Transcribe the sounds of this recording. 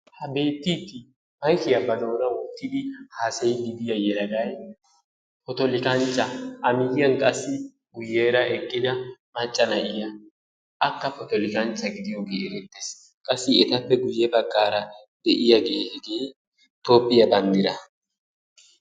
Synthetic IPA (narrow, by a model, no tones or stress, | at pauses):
hɐbe̞ːt̪ːiːt̪ːɪ | mɐjkɪjɐbɐzoːnɐwʊt̪ːɪd̪ɪhaːsɐjɡɪd̪ɪjɐjɛɾɐɡɐj | pɔt̪ɔlɪkɐnt͡ʃːɐʔɐmɪɡɪjɐnkʼɐsːɪ | ɡʊjːeːɾɐʔɛkʼːɪd̪ɐmɐt͡ʃʼːɐnɐʔɪjɐ | ʔɐkːɐpɔt̪ɔlɪkɐnt͡ʃːɐɡɪd̪ɪjo̞ːɡeːɛɾɛt̪ːeːs | kʼɐsːɪɛt̪ɐpːɛɡʊjːɛbɐɡːaːɾɐ | d̪̥ɛʔɪjɐɡehɛɡeː | t̪o̞ːpʼːɪjɐbɐnd̪ɪɾɐ